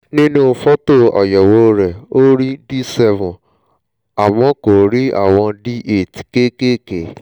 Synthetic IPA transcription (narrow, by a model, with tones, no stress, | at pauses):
nĩ˦nũ˦˨fɔ˦to˦˨ɔ̰˨jɛ˨wo˧ɾɛ˨o˦ɾi˦di˦sɛ˧vũ˨ | a˨mɔ̃˨˦ko˨ɾi˦a̰˦˨w̃ɔ̃˧di˦ʔe˦˨ti̥˨ke˦ke˦ke˨